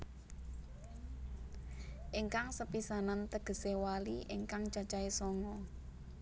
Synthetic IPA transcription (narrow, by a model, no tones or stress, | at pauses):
ʔiŋkaŋsəpisanant̪əɡ̥ə̤sewaliʔiŋkaŋt͡ʃat͡ʃaesɔŋɔ